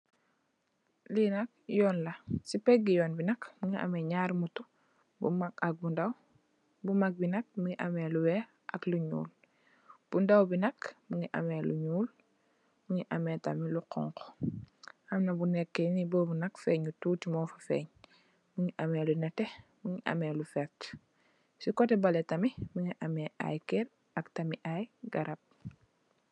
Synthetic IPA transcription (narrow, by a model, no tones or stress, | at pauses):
linɐk̚jɔːnlɐsipɛɡijɔːnbinɐkmuŋiʔɐ̰mɛɲaɾmutu | bṵmakak̚bundaw | bumak̚binɐk̚muŋiʔamɛluwɛ | ʔɐkluɲṵːl | b̥undawbinɐkmuŋiʔɐ̰mɛlṵɲuːl | muŋiʔamɛtɐmiluqɔ̰ŋk | ɐmnɐbunɛkːɛniboːbunɐkfɛːɲutuːtimɔfɐfɛ̰ːɲ | muŋiʔɐmɛːlunɐtɛmuŋiʔa̰mɛlufɛt | sikɔtɛbɐlɛtɐmimuŋiʔamɛːʔa̰jkɛɾ | ɐktɐmiʔajɡaɾɐp̚